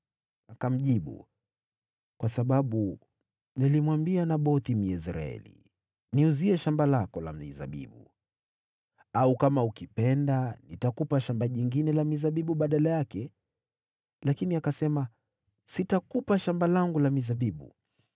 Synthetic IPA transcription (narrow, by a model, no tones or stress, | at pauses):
akam̩ʄiɓṵ | kwasaɓaɓu | nilimwambianaɓɔθim̩jɛsɾa̰ɛ̰lḭ | niuziɛʃambalakɔla̰m̩ḭza̰ɓḭɓu | aukamaukipɛndanitakupaʃambaʄiŋɡinɛlamizaɓiɓuɓaɗalajakɛ | lakiniakasɛma | sitakupaʃambalaŋɡulamizaɓiɓṵ